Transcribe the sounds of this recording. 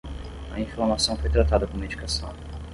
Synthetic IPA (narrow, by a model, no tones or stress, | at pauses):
ɐ̰ĩfloaɾmasɐ̃w̃fojt̪ɾat̪ad̪ɐkõmed͡ʒikasɐ̰̃w̃